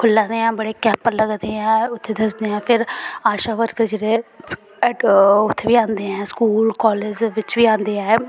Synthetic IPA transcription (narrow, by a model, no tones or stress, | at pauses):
kʰʊlːãːd̪eːɛ̃ːbəɽeːkɛ̃ːmpəɾləɡd̪eːɛ̃ːʊt̪ʰːeːd̪əsd̪eːɛ̃ːpʰɪɾaːʃaːʋəɾkəd͡ʒeɾe | ʊt̪ʰːeːʋiːãːnd̪eːɛ̃ːskuːlkɔːleːd͡ʒʋɪt͡ʃʋiːãːnd̪eːɛ̃ː